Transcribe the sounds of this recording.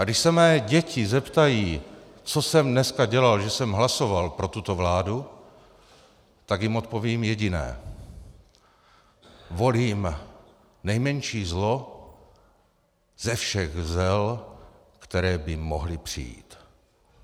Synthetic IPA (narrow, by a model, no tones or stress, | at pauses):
ɡdɪʃsɛmɛːɟɛcɪzɛpt̪ajiː | t͡so̞sɛmdnɛskaɟɛlalʒɛsɛmɦlaso̞valpɾo̞t̪ut̪ovlaːdu | t̪aɡjɪmot̪̚po̞viːmjɛɟɪnɛ̰ː | vo̞liːm | nɛjmɛɲʃiːzlo̞ | z̥ɛfʃɛɣzɛl | kt̪ɛɾɛːbɪmo̞̰ɦlɪpr̝̥ḭjḭːt̪